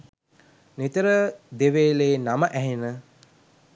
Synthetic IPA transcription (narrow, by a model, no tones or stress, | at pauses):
nit̪əɾəd̪eʋeːleːnaməʔæɦenə